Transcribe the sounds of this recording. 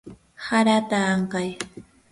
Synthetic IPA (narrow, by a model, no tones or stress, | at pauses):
haɾat̪aːɴkɑj